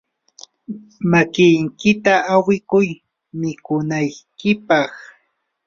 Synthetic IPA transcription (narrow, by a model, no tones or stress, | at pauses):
makɪjŋkɪt̪aʔawɪkʊj | mɪkʊnajkɪpɑχ